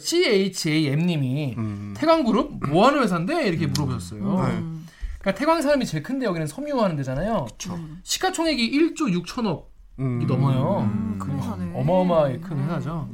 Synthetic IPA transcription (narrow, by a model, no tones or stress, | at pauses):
ɕʰieit͡ɕʰeie̞mɲimitʰe̞ɡwaŋɡuɾɯb̚moɦanɯwe̞s̬ʰande̞iɾʌkʰe̞muɾʌbd͡ʑʰʌs͈ʌjo | k͈atʰe̞ɡwaŋsʰaɾamit͡ɕe̞ɭkʰɯnde̞jʌɡinɯnsʰʌmuɦanɯnde̞d͡ʑanajoɯ̥t͡ɕʰoɕʰi̥kʰat͡ɕʰoŋɦeɡiʔiɭt͡ɕ͈ojuk̚t͡ɕʰʌnʌk͈̚ | inʌmʌjokɯʌmʌmaɡekʰɯnwesʰad͡ʑo